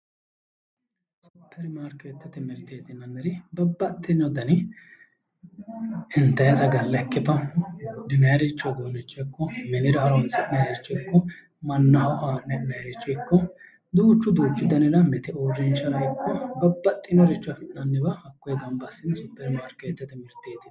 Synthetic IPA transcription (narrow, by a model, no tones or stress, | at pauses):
sʊ̥t̪ʰːɐɾɪmaːɾkːet̪ːɐt̪ɛmɛɾt̪eːt̪ɪnːɐnːɛɾɪbɐbːɐt̪ʼːɪnːɔd̪ɐnɪ | ɪnt̪ːɐjɐsɐɡɐlːɛɐkːɪt̪ɐnnɐjɾɪt͡ʃːɔd̪oːnɪt͡ʃʼːɔɪkːɔmɛnɪdɐɐɾɔnsɪnɐɾɪt͡ʃːɔɪkːɔ | mɐnːɐhɔʔanɛnɐjɾɪt͡ʃːɔɪkːɔ | d̪uːt͡ʃːʊd̪uːt͡ʃːʊd̪ɐnɪdɐmɛt̪ɛoːrɪnt͡ʃːɐɾɐɪkːɔbɐbːɐt̪ʼːɪnɔɾɪt͡ʃːʊnɐnːɪbɐhɐkːɔjɛd̪ɔnbɐsɪnsʊt̪ːɐɾɪmaːɾkɛt̪ːɛt̪ɛmɪɾt̪ːeːt̪ɪn